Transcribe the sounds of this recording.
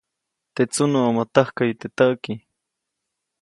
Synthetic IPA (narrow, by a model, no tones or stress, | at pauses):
t̪et͡sʊnuamat̪ɑhkajt̪et̪aʔki